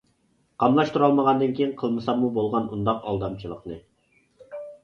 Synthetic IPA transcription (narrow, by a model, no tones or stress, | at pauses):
qʰɑmlˠɑʃt̪ʰuɾɑlˠməʁɑnd̪ɨnkʲʰeijinqʰəlˠməsɑmːubolˠʁɑnund̪ɑqɑlˠd̪ɑmt͡ʃʰilˠəqnɨ